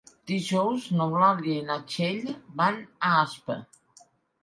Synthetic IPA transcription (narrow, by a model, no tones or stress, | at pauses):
d̪̥iʒɔwznoβlaljenat͡ʃeʎbanaaspə̰